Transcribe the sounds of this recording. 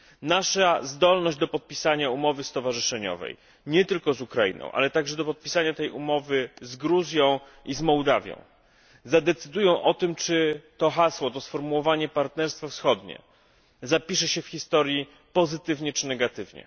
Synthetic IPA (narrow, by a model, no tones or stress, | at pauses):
naʂazd̪ɔlnɔʑd͡ʑd̪ɔpɔt̪̚pʲisaɲaumɔvɘst̪ɔvaʐɘʂɛɲɔ̰vɛ̰j | ɲɛt̪ɘlkɔzukɾajḭnɔ̰̃w̃ʔa̰lɛt̪aɡʐɛd̪ɔpɔt̪̚pʲisaɲat̪ɛjumɔvɘzɡɾuzʲjɔ̃w̃ | izmɔwd̪avʲjɔ̰̃w̃ | zad̪ɛt̪sɘd̪ujɔ̃w̃ʔɔt̪ɘmt͡ʂɘt̪ɔxaswɔt̪ɔsfɔɾmuwɔvaɲɛpaɾt̪nɛɾst̪fafsxɔd̪ɲɛ̰ | zapʲiʂɛɕɛfxʲist̪ɔɾji | pɔzɘt̪ɘvɲɛt͡ʂɘnɛɡat̪ɘvɲɛ̰